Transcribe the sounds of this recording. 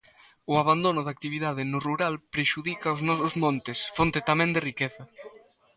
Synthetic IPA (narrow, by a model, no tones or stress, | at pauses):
uaβand̪onʊðak̚t̪iβ̞iðað̞enuruɾalpɾeʃuðikaoznɔsʊzmõnt̪esfont̪et̪amẽnd̪erikɛθɐ